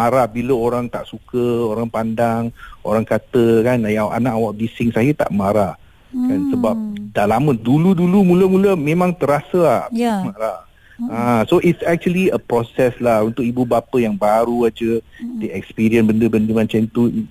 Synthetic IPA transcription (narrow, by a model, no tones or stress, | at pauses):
maɾahbiləoɾaŋt̪aʔsukəoɾaŋpandaŋoɾaŋkat̪əkanjaʔa̰nãʔawaʔ̚bisɪŋsajət̪a̰ʔmaɾah | kansəbap̚dalamə̃duludulumũləmũləmẽmãŋt̪əɾasəahmaɾa | ãsoʔitsɛk̚t͡ʃuəliəpɾɔsɛslahunt̪ʊk̚ibubapəjaŋbaɾuad͡ʒədeɛkspiɾiənbəndəbəndəmãt͡ʃant̪u